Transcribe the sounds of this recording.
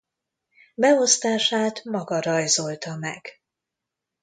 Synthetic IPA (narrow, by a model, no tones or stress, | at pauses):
bɛo̞st̪aːʃaːt̪mɒɡɒɾɒjzo̞lt̪ɒmɛ̰ɡ̥